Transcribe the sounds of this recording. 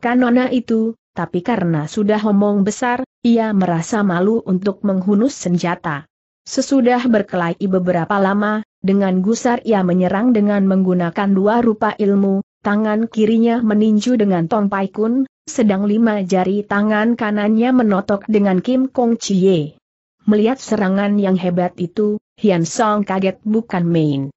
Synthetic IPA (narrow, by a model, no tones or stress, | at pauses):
kanɔnaʔit̪ut̪apikaɾənasudaɦɔmɔŋbəsariaməɾasamaluʔunt̪ʊk̚məŋɦunʊsːəɲd͡ʒat̪a | səsudahbərkəlaikibəbəɾapalama | dəŋanɡusariaməɲəɾaŋdəŋanməŋɡunakanduaɾupaʔilmut̪aŋankiɾiɲaməniɲd͡ʒudəŋant̪ɔnpajkʊn | sədaŋlimad͡ʒaɾit̪aŋankananɲamənɔt̪ɔk̚dəŋankimkɔŋt͡ʃije | məliɦat̪̚səɾaŋanjaŋɦebat̪it̪u | hiansɔŋkaɡɛt̪̚bukanmein